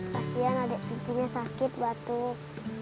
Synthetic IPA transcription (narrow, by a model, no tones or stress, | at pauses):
kasianadɛʔp̪ipiɲasakɪt̪̚bat̪u